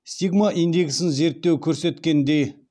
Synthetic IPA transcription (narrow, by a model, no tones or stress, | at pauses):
ɕt̪ik̚maʔind̪eksənzert̪okʰorset̪̚kend̪e